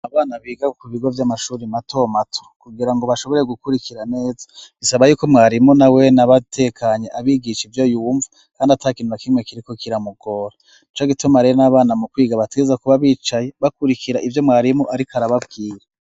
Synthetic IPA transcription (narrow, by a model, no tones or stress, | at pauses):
aβaːnaβiːɡakuβiɡo̞vjamaʃuːɾimatʰo̞matʰo̥kuɡiɾaŋɡoβaʃo̞βo̞ɾe̞ɡukuɾikiɾane̞ːzḁɡ̥isaβajuːkomŋaːɾimunawe̞naβatʰe̞kʰaɲe̞ʔaβiɡiʃivjo̞juɱvu | kaːndiataːkiːnhuɾakimŋe̞kiɾiko̞kiɾamuɡo̞ːɾa | nit͡ʃoɡitomaɾenaβaːnamukwiːɡaβateɡe̞zakuβaβiːt͡ʃaje̞βakuɾikʰiɾaʔivjo̞mŋaːɾimuʔaɾikaɾaβabɡiːɾe